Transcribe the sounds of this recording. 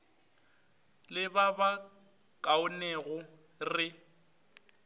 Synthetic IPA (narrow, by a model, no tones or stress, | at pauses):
lɪbaba | kʼaʊnɛɣʊ | rɪ